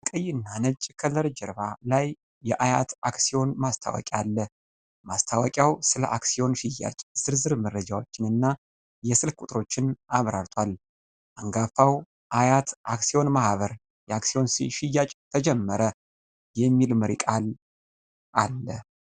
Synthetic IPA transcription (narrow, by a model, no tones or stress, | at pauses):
kʼəjːɪnːanət͡ʃʼːkʰələɾɨd͡ʒɛɾbalajː | ɛʔajat̪aksio̞nmast̪ʰa̰wɔ̰kʼalːə | mast̪ʰawəkʼjawsɨlə̰ʔaksio̞nʃɪjːa̰t͡ʃʼz̥ɨɾzɨɾməɾːəd͡ʒawo̞t͡ʃːɪnɨnːa | jɛsɨlkʼut̪ʼɾo̞t͡ʃːɪnaβɾaɾt̪ʰwal | ʔaŋɡafaw | ʔajat̪ʔaksio̞nmahβəɾ | jɛaksio̞nsiʃɪjːat͡ʃʼt̪ʰəd͡ʒɛmːəɾə | jɛmːilmɨɾḭkʼal | ʔalːə